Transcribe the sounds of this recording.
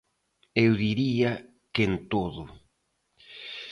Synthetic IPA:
ewðiɾia | kent̪oðʊ

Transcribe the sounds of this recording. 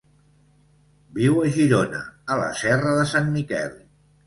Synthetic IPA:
biwəʒiɾonə̰ələ̰sɛrəðəsanmikɛ̰l

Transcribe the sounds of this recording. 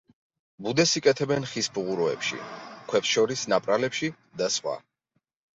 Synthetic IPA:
bud̪ɛsikʼɛt̪ʰɛbɛnχisbuʁuɾɔɛpʃḭkʰwɛpsʃɔɾisnapʼɾalɛpʃi | d̪asχʼwa̰

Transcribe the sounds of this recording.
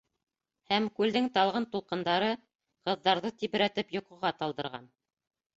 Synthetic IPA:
hæmkʉld̪ɘŋt̪ɑlˠʁɤnt̪ulˠqɤ̆nd̪ɑɾɤ | qɤ̆ðːɑɾðɤt̪iβɘ̆ɾæt̪ɘpjŏqɤ̆ʁɑt̪ɑlˠd̪ɤ̆ɾʁɑ̰n

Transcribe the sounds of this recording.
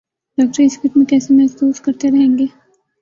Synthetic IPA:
ɖaːk̚ʈɾɪskɪʈ̪mẽkɛːsemɛɦfsuːskɐɾt̪eɾɐɦẽːŋɡeː

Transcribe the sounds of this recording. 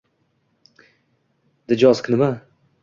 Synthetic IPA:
d̪ɪd͡ʒɒzkʲnɪma

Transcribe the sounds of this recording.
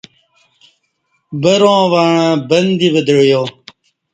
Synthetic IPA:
bəɾõːʋaːɳãːbənd̪ibəd̪əɽjoː

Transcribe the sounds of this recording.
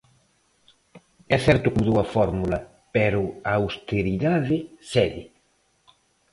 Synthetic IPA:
ɛθɛɾt̪ʊkuðuɐfɔɾmulɐ | pɛɾʊawst̪eɾiðaðɪsɛðɪ

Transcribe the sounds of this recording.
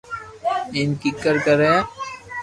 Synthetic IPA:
ɪnkikːəɾkəɾe

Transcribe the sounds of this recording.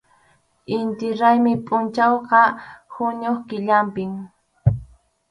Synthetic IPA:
ɪnt̪ɪɾajmɪpʼʊnt͡ʃawqɑhʊɲoχkɪʎampɪŋ

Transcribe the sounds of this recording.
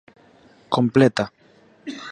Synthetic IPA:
komplet̪a

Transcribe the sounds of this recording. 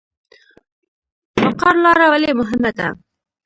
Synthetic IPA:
faqɑɾlɑɾawalemʊɦɪmad̪a̰

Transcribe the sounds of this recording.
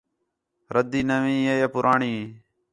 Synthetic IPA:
ɾəd̪iːnəʋĩːeːjapʊɾʔaːɳiː

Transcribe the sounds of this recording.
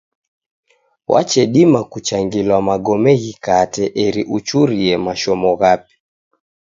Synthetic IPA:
wʔa̰t͡ʃɛɗimakut͡ʃaŋɡilwamaɡɔmɛɣikatɛʔɛɾiʔut͡ʃuɾiɛmaʃɔmɔɣapi̥

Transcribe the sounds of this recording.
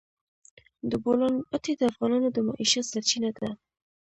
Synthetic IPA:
d̪əbolɑnpat̪ed̪əafɣɑnɑnod̪əmɑ̰ʔiʃasaɾt͡ʃinad̪a

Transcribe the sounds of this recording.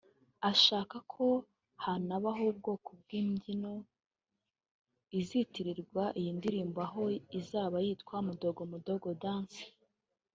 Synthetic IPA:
aʃaːkakʰo̞ | hanaβaɦoub̚ɡo̞ːkob̚ɡiːmɟino | izitiɾiɾɡwaʔijiːndiɾiːmbaɦo̞izaːβajitkwamudo̞ɡo̞mudo̞ɡodaːnsi̥

